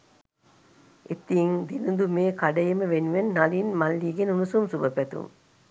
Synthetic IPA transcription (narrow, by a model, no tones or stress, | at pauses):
et̪ːiŋd̪inund̪umeːkɐɖɐjɐməʋenʋenːɐlinmɐlːiːɡenunusumsubɐpæt̪ṵm